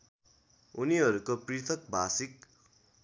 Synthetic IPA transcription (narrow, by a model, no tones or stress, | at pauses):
uniɦʌɾukoprit̪ʰʌk̚bʱasik̚